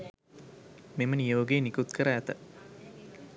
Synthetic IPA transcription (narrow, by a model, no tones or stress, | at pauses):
memənijoːɡeːnikut̪kəɾəæt̪ə